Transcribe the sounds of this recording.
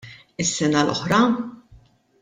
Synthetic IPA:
ɪsːɛnɐlɔ̰ħɾɐ

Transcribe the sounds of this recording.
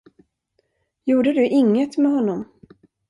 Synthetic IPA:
juːɖəd̪ɵʔɪŋːət̪mɛɦɔnːɔm

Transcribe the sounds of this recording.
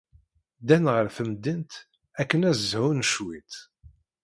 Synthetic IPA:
d̪ænʁəɾfəmd̪int̪ | ækːənæzzhʊnʃwit̪

